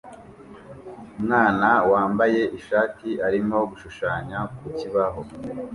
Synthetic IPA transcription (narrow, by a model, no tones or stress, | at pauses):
umŋaːnawaːmbaje̞ʔiʃaːtiaɾimo̞ɡuʃuʃaːɲakuciβaɦo̞